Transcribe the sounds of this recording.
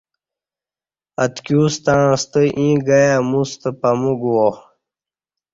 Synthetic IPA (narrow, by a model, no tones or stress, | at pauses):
ɐt̪kjuːst̪ãːst̪əʔĩːɡajamust̪əpɐmuɡwo